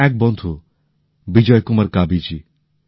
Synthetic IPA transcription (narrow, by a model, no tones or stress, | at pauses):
ɛk̚bɔnt̪ʰu | bid͡ʒɔjkumaɾkabid͡ʒi